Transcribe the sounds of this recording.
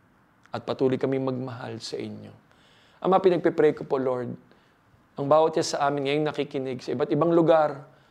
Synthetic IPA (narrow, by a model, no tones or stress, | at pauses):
ʔɐt̪̚pɐt̪uːlojkɐmɪŋmɐɡ̚mɐɦa̰lsɐʔɪ̰ɲjo̞ | ʔɐ̰mɐapɪnɐɡ̚pɛpɾɛkopo̞loɹd̪̚ | ʔɐŋbaːwɐt̪̚ʃasɐʔaːmɪnŋɐjoŋnɐkɪkɪnɪɡsɐʔɪbat̪̚ɪbaŋlʊɡaɾ